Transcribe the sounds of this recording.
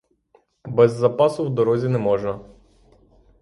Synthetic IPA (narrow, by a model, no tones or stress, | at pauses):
bɛzːɐpɑsʊwd̪ɔɾɔzʲinɛmɔʒnɐ